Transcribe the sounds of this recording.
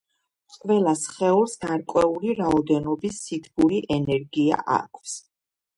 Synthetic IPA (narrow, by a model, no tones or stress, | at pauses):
qʼvɛlˠasχɛuɾsɡaɾkʼwɛuliɾaɔd̪ɛnɔbisːit̪ʰɡuɾiʔɛnɛɾɡia̰ʔa̰kʰfs